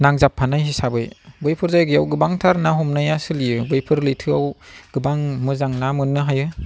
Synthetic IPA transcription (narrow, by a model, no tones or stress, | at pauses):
naŋzapʰːanajɦisabɯjbɯjpʰɯɾzajɡɯjawɡɯbaŋtʰaɾnaɦɔmnajasɯlijɯbɯjpʰɯɾlɯjtʰɯawɡ̥ɯbaŋmɯzaŋnamɯnːɯɦajɯ